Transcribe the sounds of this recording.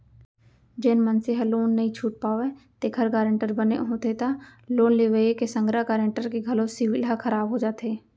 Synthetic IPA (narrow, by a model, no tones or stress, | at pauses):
d͡ʒenmənseɦəloːnːɐɦĩt͡ʃʰuːʈ̚paːoet̪eːkʰəɾkaːɾə̃ɳʈəɾbənḛɦoːt̪et̪aloːnleːʋəekesə̃ŋɡɾakaːɾə̃ɳʈəɾkeɡʱɐlosɪʋɪlɦakʰəɾaːbɦod͡ʒaːt̪eː